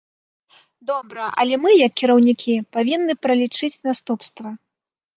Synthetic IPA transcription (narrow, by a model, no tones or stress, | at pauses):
d̪ɔbɾɐʔɐ̰lʲɛmɨjɐkːʲiɾɐwnʲikʲʰipavʲinːɨpɾɐlʲit͡ʂɨt͡sʲnast̪upst̪vɐ